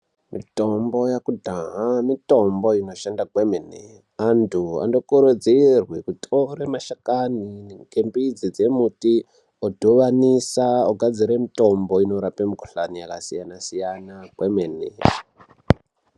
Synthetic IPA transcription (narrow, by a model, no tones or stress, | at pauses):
mito̞mbo̞jakudʱaɦamito̞mbo̞ino̞ʃandakwemenḛ | antʰua̰ndo̞kuɾud͡zirwekutʰoɾemaʃakaniŋkembid͡zid͡ze̞muti | odʱoʋanisaoɡʱad͡ziɾemito̞mbo̞inoɾapemukoɬanijaka̰sijanasijanakwemenḛ